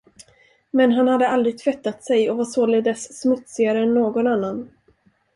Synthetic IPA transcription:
mɛnɦanhad̪ːəald̪ɾɪɡ̚t̪ʰvɛt̪ːat̪sɛjɔvaʂoːlɪd̪ɛssmɵt̪sɪɡaɾəɛnːoːɡɔnanːan

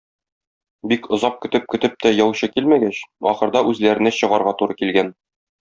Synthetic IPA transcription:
bikŏzɑp̚kɵ̆t̪ɘp̚kɵ̆t̪ɘp̚t̪æjɒwɕɤkilmæɡæɕɒ̰χɤ̆ɾd̪ɑʔʉzlæɾɘ̆næɕɤ̆ʁɑɾʁɑt̪uɾɤkilɡæn

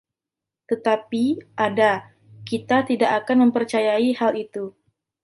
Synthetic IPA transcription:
t̪ət̪apiʔada | kit̪at̪idaʔakanməmpərt͡ʃajaihalit̪u

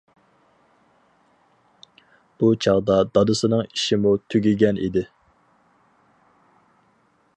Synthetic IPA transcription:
b̥ut͡ʃʰɑʁd̪ɑd̪ɑd̪ɨsɨnɨŋiʃɪmut̪ʰyɡʲiɡʲɛnʔḭd̪ɪ

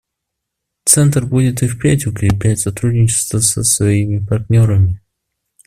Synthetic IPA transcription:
t̪sɛnt̪rbudʲɪt̪ɨfpʲætʲʊkɾʲɪplʲætʲsɐt̪ɾudʲnʲɪt͡ɕɪ̥st̪vəsəsvɐimʲɪpɐrt̪ʲnʲo̞ɾəmʲɪ

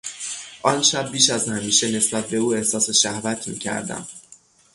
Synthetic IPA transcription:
ʔɒnʃæbːiːʃæzhæmiːʃe̞ne̞sbæt̪̚ʰbe̞uːe̞hsɒːseʃæhvæt̪ʰmḭːcʰæ̰ɾd̪æ̰m

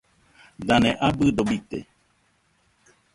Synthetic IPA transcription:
d̪anẽʔabɨɖobit̪ḛ

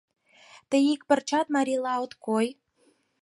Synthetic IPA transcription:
t̪əjik̚pə̆rt͡ɕɑt̪mɑɾʲilɑot̪koj

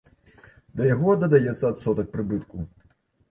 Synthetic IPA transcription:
d̪ɐjaɣɔd̪ɐd̪ajɛt̪sːɐat̪sɔt̪ɐk̚pɾɨbɨt̪ku

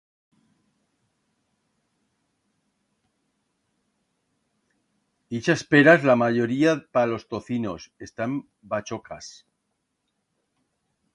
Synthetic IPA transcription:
d̪̥it͡ʃaspeɾazlamaʝo̞ɾiapalo̞st̪o̞θino̞se̞st̪am | bat͡ʃo̞kas

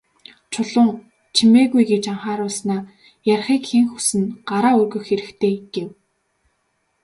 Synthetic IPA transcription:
t͡ɕʰʊɮʊːŋ | t͡ɕʰimeːɣujɡet͡ɕaɴχaːɾʊːɮsnaː | jarχiːkxeŋxu̥sɘ̆nɢ̥aɾaːɵrɣɵ̆xːeɾɘ̆kt̪ʰeːɡ̥ew

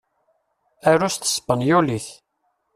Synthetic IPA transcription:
æɾʊst̪ə̥sə̥pːənjuliθ

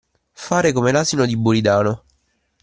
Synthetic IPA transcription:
faːɾekomelaːzinod̪ibːuɾid̪aːno

